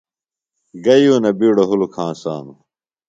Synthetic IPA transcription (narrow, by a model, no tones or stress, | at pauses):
ɡɐjuːnɐbiːɽoɦulukʰãːsaːnu